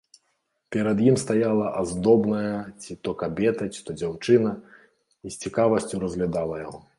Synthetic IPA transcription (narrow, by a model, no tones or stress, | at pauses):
pʲɛɾɐd̪jimst̪ajalˠɐʔazd̪ɔbnɐjɐt͡sʲit̪ɔkabʲɛt̪ɐt͡sʲi̥t̪ɔd͡zʲawt͡ʂɨnɐ | isʲt͡sʲikavɐsʲt͡sʲuɾɐzɣlʲad̪alˠɐjaɣɔ